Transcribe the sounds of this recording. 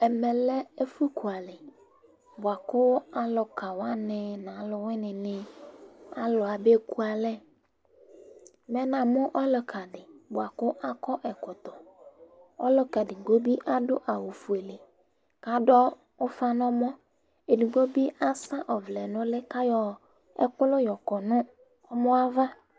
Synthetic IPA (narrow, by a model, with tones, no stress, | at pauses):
ɛ˨mɛ˨lɛ˦e˦fu˦ku˨a˨lɪ˨ | bʊ˨a˨kʊ˦a˨lʊ˨ka˨wa˦nɪ˨nã˨˦lʊ˨wɪ˦nɪ̃˨nɪ̃˨ | a̰˦lʊ˨a˨be˦ku˦a˨lɛ˦ | mɛ˨nã˨mʊ˦ʔɔ˦lɔ˨kʰa˨dɪ˨bʊ˨a˨kʊ˦ʔa˦kɔ˦ʔɛ˨kʊ˨t̪ɔ˨ | ɔ˦lɔ˨ka˨dɪ˨ɡo˦bi˦ʔa˦dʊ˦ʔa˨wu˨fu˨e˨le˨ | ka˨˦dɔ˦ | ʊ˦fa˦nɔ̃˦mɔ̃˦ | e˨nu˨ɡo˦bi˦a˦sa˦ʔɔ˨vlɛ˨nʊ̃˦lɪ˦ka˦jɔ˨ | ɛ̰˦kʊ˦lʊ˦jɔ˨kɔ˨nʊ̃˦ | ɔ˦mɔ̃˦a˦va˦